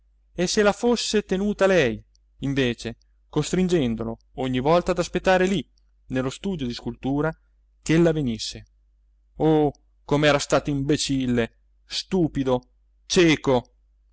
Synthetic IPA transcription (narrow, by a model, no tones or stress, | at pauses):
esːelafosːet̪enuːt̪alɛj | iɱveːt͡ʃe | kost̪ɾind͡ʒɛnd̪olo | oɲːivɔlt̪aːd̪aspet̪ːaːɾeli | nelːost̪uːd̪jod̪iskult̪uːɾa | kelːavenisːe | o | komeɛːɾast̪aːt̪oimbet͡ʃilːe | st̪uːpid̪o | t͡ʃɛːko